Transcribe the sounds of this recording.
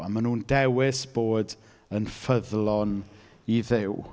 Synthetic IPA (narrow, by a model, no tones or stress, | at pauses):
amanuːndɛwɪsb̥oːd | ənfəðlˠɔn | iðɪw